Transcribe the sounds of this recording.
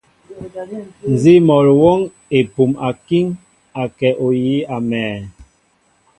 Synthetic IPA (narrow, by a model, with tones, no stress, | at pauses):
n˨zi˦mɔ˨ɾwo˦ŋ | e˨pu˨ma˨ki˦ŋ | a˨kɛ˨ʔo˨ji˨˦a˨mɛː˨